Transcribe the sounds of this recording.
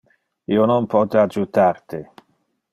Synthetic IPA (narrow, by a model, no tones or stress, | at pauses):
iononpɔt̪ead͡ʒut̪art̪i